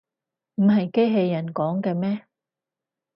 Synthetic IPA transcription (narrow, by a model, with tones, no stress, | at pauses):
m̩˨˩ɦɐ˨jke˥jɦe˧jːɐ˨˩nkɔː˨˥ŋkɛː˧mɛː˥